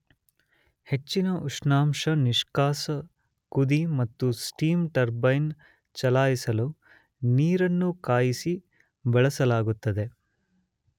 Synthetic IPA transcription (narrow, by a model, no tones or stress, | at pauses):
he̞t͡ʃːinɐʔuʂnaːmʂɐniʂkaːsɐ | kud̪imɐt̪ːusʈiːmʈɐɾbɐjn | t͡ʃɐlaːjisɐlu | niːɾɐnːukaːjisi | bɐɭɐsɐlaːɡut̪ːɐd̪e̞